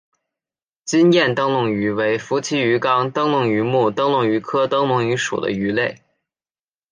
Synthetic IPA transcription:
t͡ɕi˥njɛ˥˩nt̪ɤ˥ŋlʊ˥˩ŋy˧˥we˧˥ɪfu˧˥t͡ɕʰi˥y˧˥kɑ˥ŋt̪ɤ˥ŋlʊ˥˩ŋy˧˥mu˥˩t̪ɤ˥ŋlʊ˥˩ŋy˧˥kʰɤ˥t̪ɤ˥ŋlʊ˥˩ŋy˧˥ʂṵ˨˩d̪ə̰˦y˧˥le˥˩ɪ

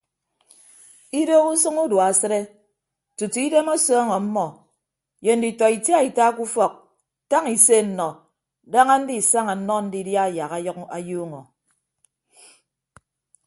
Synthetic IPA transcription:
i˦do˦ɣu˦sɨ˦ŋu˦dwsɨ˦ɾe˦ | tu˨tu˨i˦de˦mo˦sɔː˦ŋɔ˨m̩˦mɔ˨ | je˨n̩˨di˨tɔ˨i˨tja˦i˨ta˦ku˦fɔ˨k̚ | ta˦ŋi˨se˦˨n̩˨nɔ˨ | da˦ŋa˦n̩˦di˦˨sa˦ŋa˨n̩˦nɔ˦n̩˦di˦dja˦˨ja˨ɣa˦ka̰˨juː˦ŋɔ˨

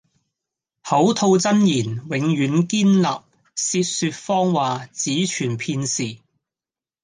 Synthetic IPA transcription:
ho˨˥wt̪ʰo˧wt͡sɐ˥njiː˨˩nwɪ˨˧ŋjyː˨˥nkiː˥nlɐ̰˨p̚ | siː˧t̚syː˧t̚fɔː˥ŋwaː˨t͡siː˨˥t͡ʃʰyː˨˩npʰiː˧nsiː˨˩

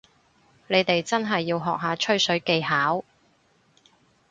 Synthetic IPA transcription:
ne˨˧jt̪e˨jt͡sɐ˥nɦɐ˨jːiː˧wɦɔː˨k̚ɦaː˨˧t͡ʃʰɵ˥ɥsɵ˨˥ɥke˧jɦaː˨˥w

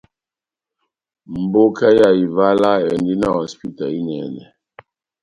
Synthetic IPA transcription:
m̩˨bo˦kʰa˦ja˨i˨va˦la˦ɛ˨ndi˦na˦˨ɔ˨spi˦ta˨i˦nɛ̰˨nɛ˨

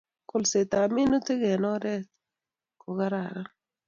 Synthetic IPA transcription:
ko˨lse˨t̪a˨mi˦nu˦te˦ɡɛ˨nɔ˦ɾɛ˦t | ko˨ɡa˦ɾa˨ɾa˦

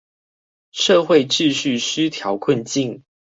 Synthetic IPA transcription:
ʂɤ˥˧xwe˥˨ɪʈ͡ʂɻ̩˥˧ɕy˥˨ʂ̩˥t̪ʰjɑ˧˥ʊkʰwə˥˨nt͡ɕi˥˨ŋ

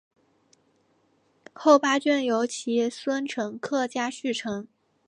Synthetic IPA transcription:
xo˥˩ʊpa˥t͡ɕɛ˥˩njo˧˥ʊt͡ɕʰi˧˥swə˥nʈ͡ʂʰɤ˧˥ŋkʰɤ˥˩t͡ɕja˥ɕy˥˩ʈ͡ʂʰɤ˧˥ŋ

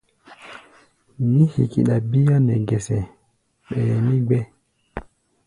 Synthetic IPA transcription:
ni˦hḭ˨kḭ˨ɗa˨bi˦ja˦nɛ˨ɡɛ˨sɛ˨ | ɓɛ˨ɾɛ˨ni˦ɡ͡bɛ˦

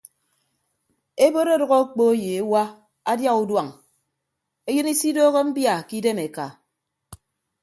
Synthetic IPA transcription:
e˦bo˦ɾo˦dɔ˨ɣɔ˦k͡po˦e˦je˨e˦wa˦ | a˦dja˦ɣu˨dwa˨ŋ | e˦jɨ˦ni˦si˦doː˦ɣo˦m̩˦bja˨ki˦de˦me˨ka˨

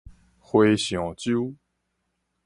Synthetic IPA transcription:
xwe˧ɕjɔ˨˩t͡ɕju˦

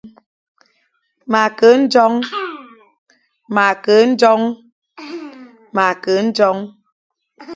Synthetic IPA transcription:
ma˨kə˨˦n̩˦d͡ʒɔ˦ŋ | ma˨kə˨˦n̩˦d͡ʒɔ˦ŋ | ma˨kə˨˦n̩˦d͡ʒɔ˦ŋ

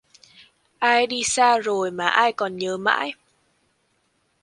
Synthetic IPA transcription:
ʔaː˧jɗi˧saː˧zo˨˩jmaː˨˩ʔaː˧jkɔ˨˩nɲəː˨˦ma̰ː˧˥j

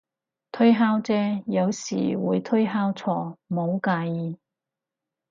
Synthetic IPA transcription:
t̪ʰɵ˥jɦaː˥wt͡sɛː˥jɐ˨˧wsḭː˨˩wuː˨˧jt̪ʰɵ˥jɦaː˥wt͡sʰɔː˧˩mo˨˧wkaː˧jiː˧

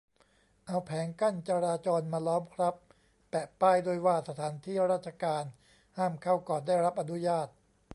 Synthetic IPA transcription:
ʔa˧wpʰɛː˩˦ŋka˥˩nt͡ɕa˧ɾaː˧t͡ɕɔː˧nmaː˧lɔː˦˥mkʰɾa˦˥pː | ɛː˨˩paː˥˩jdoː˧˩jwaː˥˩sa˧t̪ʰaː˩˦nt̪ʰiː˥˩ɾaː˥˩t̪̚t͡ɕʰa˧kaː˧n | haː˥˩mkʰa˥˩wkɔː˨˩ndaː˥˩jɾa˦˥p̚ʔa˧nu˦˥jaː˥˩t̪̚

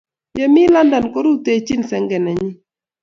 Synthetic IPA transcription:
ja˦mi˦la˦nda˨nko˦ɾu˦te˦˨˦t͡ʃi˦nsɛ˦ŋɡɛ˨nɛ˨ɲi˦

